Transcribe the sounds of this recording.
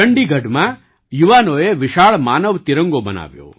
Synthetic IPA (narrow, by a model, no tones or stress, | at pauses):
əɳɖiɡʱəɖmã | juʋanoeʋɪʃaɭmaːnəʋt̪iɾə̃ŋɡobəna̰ʋjo̰